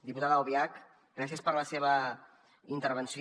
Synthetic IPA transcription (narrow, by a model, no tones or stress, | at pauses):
d̪iput̪aðəwβiak | ɡɾas̬iəspəɾləseβə | int̪əɾβənsi